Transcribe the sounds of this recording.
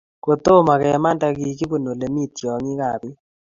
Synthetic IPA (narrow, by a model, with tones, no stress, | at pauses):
ko˨t̪o˦ma˨kɛ˨ma˦nda˦ɡi˦˨kɪ˦bo˦˨no˨le˨mi˦t̪t͡ʃɔ˨ŋi˦ka˨bɪ˦